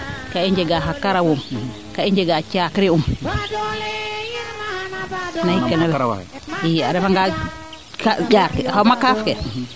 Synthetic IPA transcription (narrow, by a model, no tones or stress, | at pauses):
kaiɲd͡ʒeɡaɦakːaɾawum | kaiɲd͡ʒeɡat͡ʃakɾium | naikːanɛlaiaɾɛfaŋɡa | kaɟaːɾkɛkamakaːfkɛ